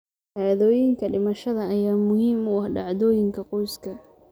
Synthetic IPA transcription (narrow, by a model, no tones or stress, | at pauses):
ʕaːðɔːjɪŋkʰɐɖɪmɐʃɐðɐɐjaːmʊhiːmʊɑhɖɑ̰ʕðɔːjɪŋkʰɐqɔjskʰɐ